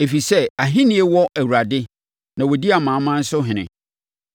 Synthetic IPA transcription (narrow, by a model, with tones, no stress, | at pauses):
e˨fi˨sɛ˦a˨ɦɪ̃˦nĩ˦e˦wɔ˦ʔæ˨wu˨ɾa˨dɪ˦ | nã˨wɔ˨di˦a˨mã˨˦mã˦n̩˦sʊ˦ɦɪ̃˨nɪ̰̃˨